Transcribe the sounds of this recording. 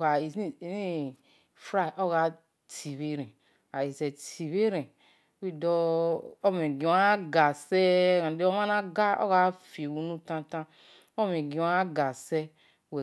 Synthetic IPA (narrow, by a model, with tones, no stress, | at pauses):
a˨i˨˦˨ni˦ | fɾa˦˨ʔo˦ɣa˨˦ | tʰi˨βe˦ɾɛ̃˨ | a˨ji˨zɛ˨tʰi˨βe˦ɾɛ̃˨˦ | i˦dɔ˦o˦me˨ɡĩ˨wɡa˨sɛ˦ã˨de˦o˦ma˦nã˦ɡa˦o̰˦ɣa˦fe˨wu˨nũ˦tã˧tã˦ | o˦me˨ɡĩ˨wa˦ɡa˨sɛ˦ | wɛ˨